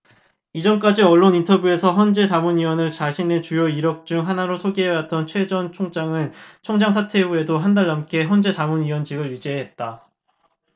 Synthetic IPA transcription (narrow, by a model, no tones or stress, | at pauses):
id͡ʑʌnk͈ad͡ʑiʌɭːonintʰʌbjue̞sʰʌçjʌnd͡ʑe̞t͡ɕamunɥiwʌnɯɭt͡ɕaɕʰine̞t͡ɕujoiɾʌk̚t͡ɕ͈uŋɦanaɾosʰoɡiɦeʌwat̚t͈ʌnt͡ɕʰwe̞d͡ʑʌnt͡ɕʰoŋd͡ʑaŋɯnt͡ɕʰoŋd͡ʑaŋs̬ʰatʰe̞ue̞doɦandaɭːʌmk͈e̞çjʌnd͡ʑe̞t͡ɕamunɥiwʌnd͡ʑiɡɯɭjud͡ʑiɦeɦet̚t͈a